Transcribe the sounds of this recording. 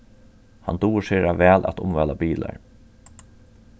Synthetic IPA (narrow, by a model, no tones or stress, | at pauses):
hand̪uːʂeːɾaʋɛːlʔæ̰t̪ʊ̰mʋɛːlabiːla̰ɹ